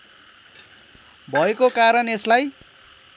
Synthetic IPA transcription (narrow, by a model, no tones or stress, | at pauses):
bʱʌekokaɾʌneslaj